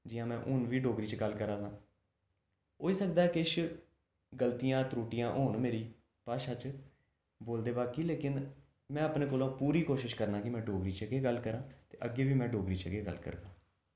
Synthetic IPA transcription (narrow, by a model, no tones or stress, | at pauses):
d͡ʒɪjãːmɛ̃ːʔʊnʋiːɖoːɡɾiːt͡ʃɡəlːkəɾãːzãː | oːiːsəkd̪aːɛkɪɪʃ | ɡəlt̪ijãːt̪ɾuːʈɪjãːʔoːɳmeːɾiː | paːʃat͡ʃ | boːld̪eːbaːkiːleːkɪn | mɛ̃ːəpnẽːkoːlõːpuːɾiːkoːʃɪʃkəɾnãːkɪmɛ̃ːɖoːɡɾiːt͡ʃəɡeːɡəlːkəɾãːt̪eːʔəɡːeːʋiːmɛ̃ːɖoːɡɾiːt͡ʃəɡeːɡə̰lkə̰ɾɡãː